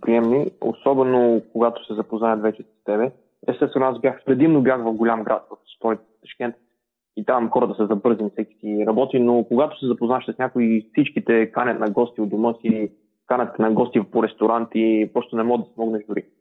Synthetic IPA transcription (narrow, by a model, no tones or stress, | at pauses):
pɾiɛmnio̰sɔbɛnokoɡat̪o̥sɛzɐpoznajɐt̪vɛt͡ʃɛsɐ̥st̪ɛbɛ | ɛst̪ɛst̪vɛnʊasbjaxpɾɛd̪imnobjaxvɐfɡolʲamɡɾʔa̰t̪̚kok̚t̪sp̪ɔɾɛt̪t̪ɐ̥ʃkʲɛnt̪ | it̪amxɔɾət̪əsɛzɐbɤɾzinfsɛkʲi̥siɾɐbɔt̪inokoɡat̪o̥sɛzɐpoznaɛʃsɐsnʲakoifsit͡ʃkit̪ɛkanʲɐt̪nɐɡɔst̪iod̪omɤsi | kanʲɐt̪ːɛnɐɡɔst̪ivpoɾɛst̪oɾant̪ipɾɔst̪onɛmɔd̪ɐsmɔɡnɛʒd̪ʊɾḭ